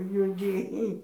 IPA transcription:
juɔˈdʲeːjɪ

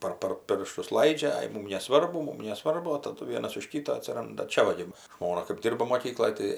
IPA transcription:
ˈpɐr pɐr ˈpʲɪrʃtʊs ˈlˠɐɪd͡ʒʲɛ ˈɐɪ ˈmuːm nʲɛˈsʋɐrbʊ ˈmuːm nʲɛˈsʋɐrbʊ oː tɐˈdʊ ˈʋʲiɛnɐs ʊʃ ˈkʲɪtɐ ɐtʲsʲɪˈrɐndɐ ˈt͡ʃʲɛ ˈʋɐ ɡʲɪ ˈʒmoːnɐ kɜp ˈdʲɪrbɐ moːˈkʲiːklˠoːj tɐɪ

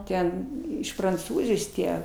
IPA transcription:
ˈtʲɛn ɪʃ prɐnˈt͡suːzʲɪjoːs ˈtʲiɛ

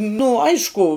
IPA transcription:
nʊ ˈɐɪʃkʊ

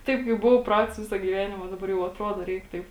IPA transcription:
ˈtɐɪp kɐɪp ˈbʊʋɐʊ ˈprɐts ˈʋʲɪsɐ ɡʲiːˈʋʲæːnʲɪmɐ dɐˈbɐr jɛʊ ɐtˈruɔdoː ˈrʲɛɪk ˈtɐɪp

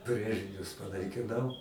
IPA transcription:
ˈbʲrʲeːʒʲɪnʲʊs pɐnɐɪkʲɪˈnɐʊ

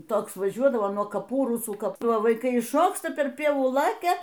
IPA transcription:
ˈtoːks ʋɐˈʒʲuɔdɐʋoː nuɔ kɐˈpuː ˈrʊsuː ˈkɐp ʋɐɪˈkɐɪ ɪʃˈʃoːkstɐ pʲɛr ˈpʲiɛʋuː ˈlˠɑːkʲɛ

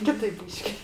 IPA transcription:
ˈkʲɪtɐɪp ˈbʲiːʃʲkʲɪ

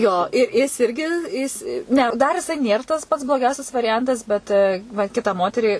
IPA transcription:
ˈjoː ɪ ˈjɪs ˈɪrʲɡʲɪ ˈjɪs ˈnʲɛ dɐr jɪˈsɐɪ ˈnʲeːr tɐs pɐts blˠoːˈɡʲɛʊsʲɛs ʋɐrʲɪˈjɛntɐs ˈbʲɛt ʋɐ ˈkʲɪtɑː ˈmoːtʲɛrʲiː

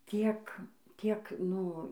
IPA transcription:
ˈtʲiɛk ˈtʲiɛk ˈnʊ

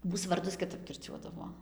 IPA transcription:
ˈmuːs ʋɐrˈdʊs kʲɪˈtɐp kʲɪrʲˈt͡ʃʲuɔdɐʋoː

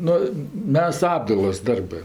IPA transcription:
ˈnʊ ˈmʲɛs ˈɑːbdɐɪlˠoːs ˈdɐrbɜ

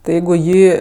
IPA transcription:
tɐɪ ˈjɛɪɡʊ ɪ ˈjiː

